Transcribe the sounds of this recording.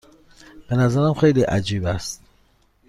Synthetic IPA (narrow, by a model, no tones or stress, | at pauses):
b̥e̞næzæɾæmxe̞jliːʔæ̰d͡ʒiːbæst̪̚